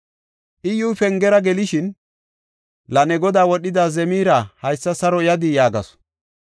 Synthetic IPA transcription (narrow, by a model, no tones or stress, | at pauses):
ʔɪjuːfɛŋɡɛɾɐɡɛlɪʃɪn | lɐnɛɡɔd̪aːwɔɗːɪd̪aːzɛmiːɾahɐjsːɐsɐɾɔjɐd̪ɪjaːɡɐ̰sɔ̥